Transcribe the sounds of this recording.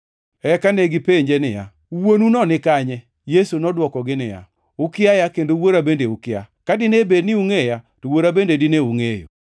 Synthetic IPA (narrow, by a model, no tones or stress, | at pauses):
ɛkaneɡɪpeɲd͡ʒenɪja̰ | uwonunɔnɪkaɲɛ | jesunɔdwɔkɔɡɪnɪja̰ | ʊkɪajakendowoɾabendeʊkɪjakadɪnebednɪuŋejatowoɾabendedɪneuŋejo̰